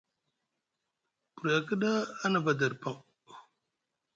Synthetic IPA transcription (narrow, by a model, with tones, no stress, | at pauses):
pu˨ɾa˨kə˦ɗa˦a˦na˨ba˨da˨ɾpa˦˨ŋ